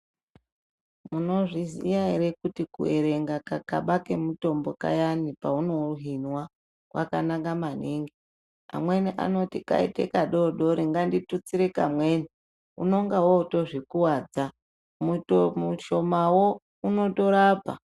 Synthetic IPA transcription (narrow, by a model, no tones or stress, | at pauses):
muno̞ʐizijaeɾekutikṵeɾe̞ŋɡakakaɓake̞muto̞mbo̞ka̰janipauno̞uɦinwa | kwa̰ka̰naŋɡamaniːŋɡi | a̰mwe̞niʔa̰no̞tika̰ḭtekaɗoɗoɾiŋɡanditut͡siɾekamwe̞ːni | ṵno̞ŋɡawoto̞ʐikuwad͡za | mutmuʃo̞mawo̞ | uno̞to̞ɾaːpa̰